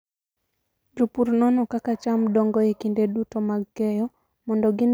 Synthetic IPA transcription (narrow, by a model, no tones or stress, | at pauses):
lupuɾnɔnɔkakat͡ʃamdɔŋɡɔekindedutɔmaɡkɛjɔ | mɔndɔɡɪn